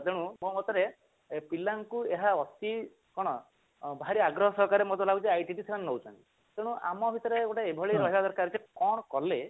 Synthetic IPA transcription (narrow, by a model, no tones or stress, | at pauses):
d̪eɽ̃ũmomɔt̪ɔɾe | pilaŋkueɦaɔst̪i | kɔɽ̃ɔ | bʱaɾiaɡɾɔɦɔsɔɦɔkaɾemɔt̪ɔlaut͡ʃeajʈiʈisekʰanenɔwt͡ʃʰɔnt̪i | d̪̥eɽ̃ũʔa̰mɔbʱit̪ɔɾeɡoʈaebʱɔɭiɾɔɦibad̪ɔɾkaɾd͡ʒekɔ̃ɔkɔle